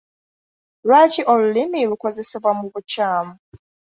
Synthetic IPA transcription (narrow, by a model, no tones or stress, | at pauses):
lwaciʔo̞lulimilukoze̞seβwamuβucaːmu